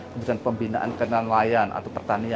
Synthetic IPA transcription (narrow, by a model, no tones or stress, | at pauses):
kəbudanpəmbinaʔa̰nkənanlajanʔa̰t̪awpərt̪ania